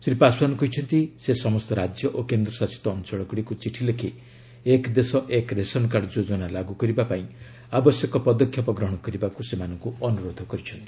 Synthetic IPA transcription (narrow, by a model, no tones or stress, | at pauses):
sɾipaswanɔkɔɦit͡ʃʰɔnt̪isesɔmɔst̪ɔɾad͡ʒjɔʔokend̪ɾɔsasi̥t̪ɔːnt͡ʃɔɭɔkuɽikut͡ʃiʈʰilekʰi | ekd̪esɔʔekɾesɔnɔkaɖɔd͡ʒod͡ʒɔnalaɡukɔɾibapaĩ | abɔsjɔkɔpɔd̪ɔkʰjɔpɔɡɾɔɦɔɽ̃ɔkɔɾibakusemanɔŋkuɔnuɾod̪ʱɔkɔɾit͡ʃʰɔnt̪i̥